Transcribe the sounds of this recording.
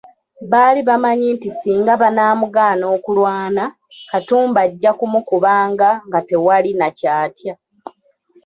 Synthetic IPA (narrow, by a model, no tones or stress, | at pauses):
βaːliβamaɲiːntisiːŋɡaβanaːmuɡaːno̞ːkulwaːna | katuːmbaɟːakumukuβaːŋɡaŋɡate̞walinacaːtja